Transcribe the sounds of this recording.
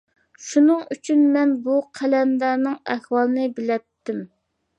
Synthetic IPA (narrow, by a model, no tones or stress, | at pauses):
ʃunɨŋyt͡ʃʰynmɛnbuqʰælɛnd̪æɾnɨŋɛhwɑlˠɨnɨbɪlɛt̪ːɪm